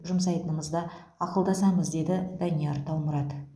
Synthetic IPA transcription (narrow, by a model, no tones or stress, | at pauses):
ʒʊmsɑjt̪ənəməzd̪ɑ | ɑqəlˠd̪ɑsɑməzd̪e̞d̪ɪd̪ɑnijaɾt̪ʰɑwməɾɑd̪